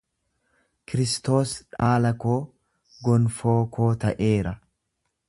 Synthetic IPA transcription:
kɪɾɪst̪o̞ːsᶑaːlɐkoː | ɡɔnfoːkʰoːt̪ɐʔeːɾɐ

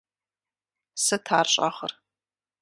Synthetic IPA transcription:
sɨtʰaːrɕʼa̰χər

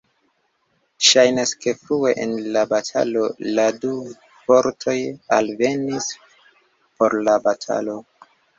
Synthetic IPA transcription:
ʃajnaske̞fɾue̞ʔenlabatʰa̰lo̞ladu | po̞ɾtʰo̞ja̰lve̞nis | po̞ɾlabatʰa̰lo̞

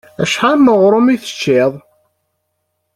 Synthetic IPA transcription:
æ̰ʃħaməʁɾˤomiθə̥t͡ʃːɪðˤ

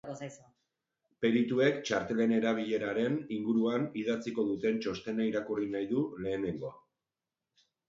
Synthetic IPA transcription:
s | pe̞ɾit̪ue̞kt͡ʃaɾt̪e̞le̞ne̞ɾaβ̞iʎe̞ɾaɾe̞niŋɡuɾuanið̞at͡siko̞ðut̪e̞nt͡ʃo̞st̪e̞naiɾakurinajðule̞ːne̞ŋɡo̞a

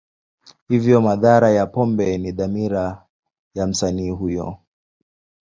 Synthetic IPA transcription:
hivjɔmaðaɾajapɔmbɛniðamiɾa | jam̩saniːɦujɔ̰

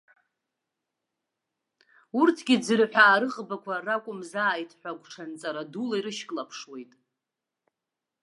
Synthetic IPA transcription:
urtʰɡʲid͡zɨrħʷᶣaːɾɨqʼbakʷʰarakʷʼʊmzaːjtʰħʷᶣaɡʷʈ͡ʂʰant͡sʼaɾadulaiɾɨʃkʼlapʰʂwe̞jtʼ

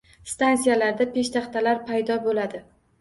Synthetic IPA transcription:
st̪ansijalaɾd̪ape̞ʃt̪ʰɑχt̪ʰalaɾpʰajd̪ɒbolad̪ɪ

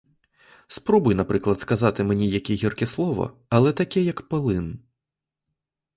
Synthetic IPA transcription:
spɾɔbujnapɾɨklˠɐt̪skazat̪ɨmnʲɛjakʲiɣʲirkʲɛslˠɔvɐ̰ɐlˠɛt̪akʲijɐkpɨlˠɨn

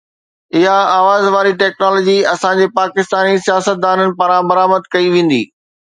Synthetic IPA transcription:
ɪɦaaːʋaːzʋaːɾiʈɛːknɔːloːd͡ʑiɐsãd͡ʑeːpaːkɪst̪aːnisijaːsət̪̚d̪aːnənɪ̆paːɾãbɐɾaːməd̪kɐiʋẽːn̆d̪ḭː

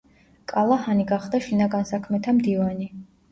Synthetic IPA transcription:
kʼalˠahaniɡaχd̪aʃinaɡansakʰmɛt̪ʰamd̪ivani

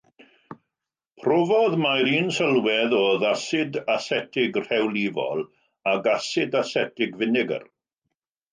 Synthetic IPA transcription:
pʰrɔvɔðmajɾiːnsəlˠwɛðɔːðasɪdasɛtʰɪɡr̥hɛwlˠivɔ̰lˠ | aɡasɪdasɛtʰɪɡvɪnɪɡə̰r

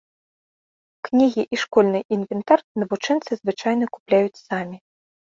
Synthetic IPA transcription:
knʲiɣʲiʔiʂkɔlʲnɨjʔinvʲɛnt̪arnɐvut͡ʂɛnt̪sɨzvɨt͡ʂajnɐku̥plʲajut͡sʲsamʲi

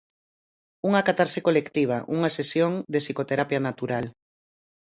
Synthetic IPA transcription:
uŋakat̪aɾsekolekt̪iβ̞aʔuŋasesjoŋd̪esikot̪eɾapjanat̪uɾal

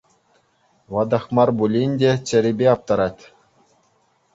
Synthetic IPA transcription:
ʋɑd̪ɑχmɑrbulʲinʲdʲet͡ɕɘ̆ɾʲibʲeɑp̚t̪ɑɾɑtʲ

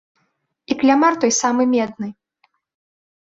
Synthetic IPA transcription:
iklʲamart̪ɔjsamɨmʲɛd̪̚nɨ

